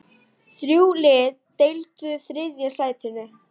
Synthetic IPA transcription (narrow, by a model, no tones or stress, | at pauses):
θɾjuːlɪːðt̪ejlt̪ʏθɾɪðjɛsaːjðɪt̪ʰɪnːʏ